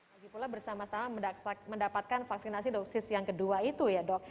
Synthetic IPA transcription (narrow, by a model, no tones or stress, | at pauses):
baɡipulabərsamasamaməndapat̪̚kanfaksinasidɔksɪsjaŋkəduait̪ujadɔk̚